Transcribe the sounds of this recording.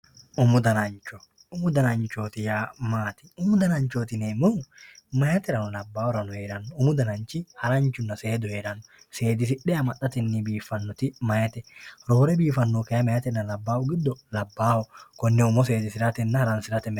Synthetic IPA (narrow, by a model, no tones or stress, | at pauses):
ʔʊmʊd̪ɐnɐnt͡ʃːɔ | ʊmʊd̪ɐnɐnt͡ʃoːt̪ɪjaːmaːt̪ɪ̥ʊmʊd̪ɐnɐɲt͡ʃoːt̪ɪneːmʊmɐjɐt̪ɛɾɐnʊlɐbːaːwɔɾɐnʊhe̞ːɾɐnːɔʊmʊd̪ɐnɐnt͡ʃɪhɐɾɐnt͡ʃʊnːɐse̞ːd̪ʊhe̞ːɾɐnːɔse̞ːd̪ɪs̬ɪᶑɛjɐmɐᶑɐt̪ɛnːɪbiːfːɐnːɔt̪ɪmɐjɐt̪ɛɾoːɾɛbiːfɐnːɔkɐjɐmɐjɐt̪ɛnːɐlɐbːaːwʊɡɪd̪ːɔlɐbːaːhɔkɔnːɛʊmɔs̬e̞ːd̪ɪsɪɾɐt̪ɛnːɐhɐɾɐnsɪɾɐt̪ɛmɛ